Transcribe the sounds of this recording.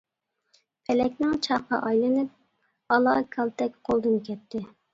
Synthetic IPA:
pʰɛlɛkʲnɪŋt͡ʃʰɑqɑ̰ʔɑjlˠɨnɨp̚ | ɑlˠɑːkʰɑlˠt̪ʰɛkʲqʰolˠd̪ɨnkʲʰɛt̪ʰːɪ

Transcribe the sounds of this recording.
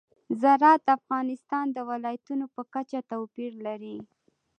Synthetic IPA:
zaɾɑt̪afɣɑnɪst̪ɑnd̪əwɪlɑjat̪unopəkat͡ʃat̪awpiɾlaɾi

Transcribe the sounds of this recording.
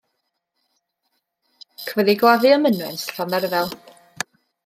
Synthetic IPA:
kʰvɛðiɡwaðɨəmənwɛnsɬɔnɛrðɛlˠ

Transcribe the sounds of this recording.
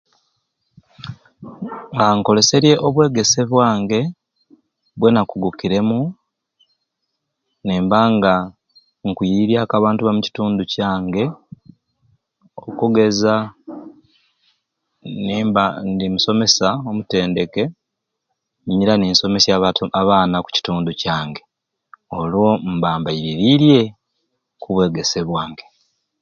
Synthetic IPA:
ŋɡaːŋko̞le̞se̞ɾje̞ʔoβwe̞ːɡe̞se̞βwaːŋɡe̞ | βwe̞nakuɡukiɾe̞mu | neːmbaŋɡa | ŋkujiɾiaːkaβaːntuβamuci̥tuːnducaːŋɡe̞ | o̞kuɡe̞za | nendimuso̞me̞sao̞mute̞ːnde̞ke̞ | ɲɲiɾaniːnso̞me̞sjaaβaːnaku̥ci̥tuːnducaːŋɡe̞ | o̞lwo̞mbaːmbaiɾiɾiɾje̞ | kuβwe̞ːɡe̞seβwaːŋɡe̞

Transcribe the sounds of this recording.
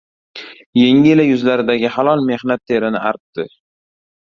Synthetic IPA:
je̞ŋɪlajʊzlaɾɪd̪aɡʲɪhalˠɒlˠme̞hnat̪ːʰe̞ɾɪnɪʔaɾp̚d̪ɪ

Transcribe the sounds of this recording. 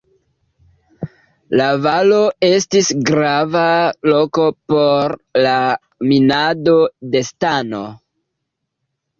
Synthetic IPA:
lavalo̞e̞stisɡɾavalo̞ko̞po̞ɾla | minado̞de̞stano̰

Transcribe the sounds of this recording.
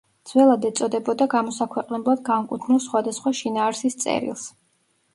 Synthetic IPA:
d̪z̥wɛlˠad̪ɛt̪sʼɔd̪ɛbɔd̪aɡamɔsakʰwɛqʼnɛblˠad̪ɡamkʼut̪ʰnilˠsχwad̪asχwaʃinaːɾsist̪sʼɛ̰ɾḭlˠs

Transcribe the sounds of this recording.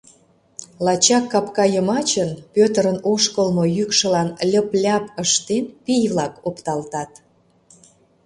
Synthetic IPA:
lɑt͡ɕɑkːɑpkɑjəmɑt͡ɕənpʲøt̪əɾənoʃkəlmojykʃə̆lɑnlʲəplʲɑpəʃt̪enpijβlɑkopt̪ɑlt̪ɑt̪

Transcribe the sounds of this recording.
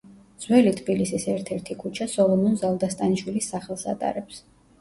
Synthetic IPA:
d̪z̥wɛlit̪ʰbilisisɛɾt̪ʰɛɾt̪ʰikʰut͡ʃʰasɔlˠɔnɔnzalˠd̪ast̪ʼaniʃwilisːaχɛlˠsa̰t̪ʼa̰ɾɛps

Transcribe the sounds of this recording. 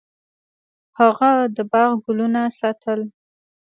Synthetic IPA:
haɣad̪əbɑɣɡʊlunasɑt̪ʰəl

